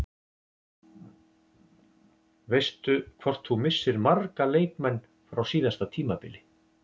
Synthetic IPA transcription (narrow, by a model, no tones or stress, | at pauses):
vejst̪ʏkʰvɔr̥t̪θumɪsːɪɾmaɾkaleːjkmɛnː | fɾawsiːðast̪at̪ʰiːmapɪ̰lɪ